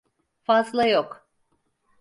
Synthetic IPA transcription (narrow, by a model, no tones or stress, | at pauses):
fazlˠajok